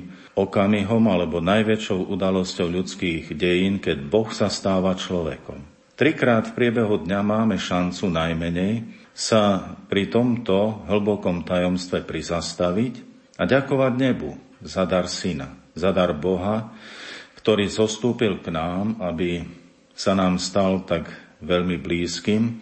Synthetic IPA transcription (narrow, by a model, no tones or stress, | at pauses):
ɔkamiɦɔmalɛbɔnajʋɛt͡ʃɔʊʔud̪alɔscɔʊʎut͡skiːɣɟɛjiːnkɛɟbɔxsast̪aːʋat͡ʃlɔʋɛ̰kɔ̰m | t̪ɾikɾaːt̪fpɾɪɛbɛɦud̪ɲamaːmɛʃant͡sunajmɛɲɛj | sapɾit̪ɔmt̪ɔɦl̩bɔkɔmt̪ajɔmst̪ʋɛpɾizast̪aʋic | aɟakɔʋaɟɲɛbu | zad̪aɾsina̰zad̪aɾbɔɦa | kt̪ɔɾiːzɔst̪uːpilknaːmabi | sanaːmst̪alt̪aɡʋɛʎmibliːskiːm